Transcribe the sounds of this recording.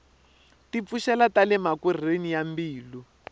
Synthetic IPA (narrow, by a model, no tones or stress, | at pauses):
tip̪fuʃɛlatalɛmakur̤enijambiːlu